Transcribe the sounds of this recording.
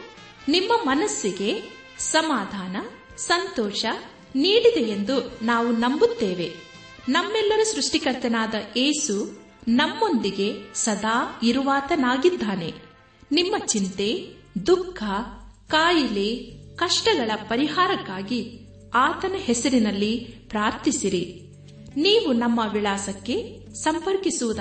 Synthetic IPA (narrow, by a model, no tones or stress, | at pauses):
nimːɐmɐnɐsːiɡe̞ | sɐmaːd̪ʱaːnɐ | sɐnt̪ɔːʃɐ | niːɽid̪e̞jend̪unaːʋunɐmbut̪ːeːʋe̞ | nɐmːɛlːɐɾusɾuʂʈikɐɾt̪ɐnaːd̪ɐʔeːsu | nɐmːo̞nd̪iɡe̞sɐd̪ʱaːiɾuʋaːt̪ɐnaːɡid̪ʱːaːne̞̰ | nimːɐt͡ʃint̪e̞ | d̪ukʰːɐkaːjilekɐʂʈɐɡɐɭɐpɐɾiɦaːɾɐkːaːɡi | aːt̪ɐnɐhɛsɐɾinɐlːipɾaːɾt̪isiɾi | niːʋunɐmːɐʋiɭaːsɐkːe̞ | sɐmpɐɾkisuʋud̪